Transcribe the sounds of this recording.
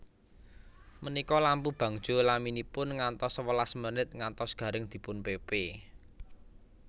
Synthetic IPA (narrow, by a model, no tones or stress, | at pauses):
mənikɔlampub̥ä̤ŋ̥ʒ̥o̤laminipʊnŋant̪ɔswəlasmənɪt̪̚ŋant̪ɔsɡ̥ä̤ɾɪŋd̪̥i̤pʊnpepe